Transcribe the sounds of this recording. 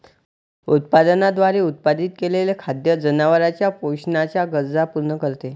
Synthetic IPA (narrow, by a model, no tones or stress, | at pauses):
ut̪̚pad̪ənad̪ʋaɾeut̪̚pad̪iːt̪̚kelelekʰad̪jəd͡zənaʋəɾat͡ɕjapoɕnat͡ɕjaɡəd͡zapuɾnəkəɾt̪e